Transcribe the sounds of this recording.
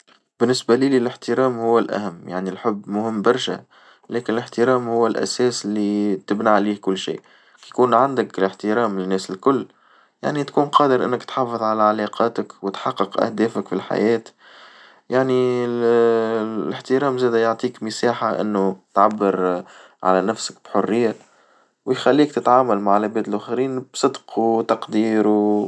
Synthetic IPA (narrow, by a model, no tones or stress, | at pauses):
b̥ɪnːɪsbæliːlilɪħt̪ɪɾɑːmhʊwːælʔæ̰hæmːja̰ʕnilħʊbːmʊhɪmːbɑɾˤʃæ̰ | lɛːkɪnɪlɪħt̪ɪɾɑːmhʊwːælʔæ̰sɛːslːit̪ɪbnaʕliːhkʊlːʃḭː | kjkuːnʕand̪ɪklɪħt̪ɪɾɑːmlɪnːæːsɪlkʊlː | ja̰ʕnit̪kuːnqɑːd̪əɾʔɪ̰nːɪkt̪ħɑfɨðˤʕalæʕalɑːqɑːt̪əkwɪt̪ħɑqːɨqʔæ̰hd̪æːfəkfilħa̰jɛːt̪ | jaʕni | lɪħt̪ɪɾɑːmzæːd̪æjoʕt̪ˤiːkmɪsaːħaʔɪ̰nːut̪ʕabːəɾ | ʕa̰lænæfsək̚b̥ħʊrːɪjːa | wjxælːiːkt̪ɪt̪ʕaːmalmaʕlæbɛːd̪ɪlʔʊxɾiːnb̥sˤɨd̪qut̪ɑqd̪iːɾu